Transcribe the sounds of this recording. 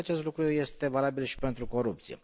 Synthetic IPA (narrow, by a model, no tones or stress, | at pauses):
at͡ʃe̞st̪lukɾuje̞st̪e̞valabilʃi̥pe̞nt̪ɾuko̞ɾup̚t̪sije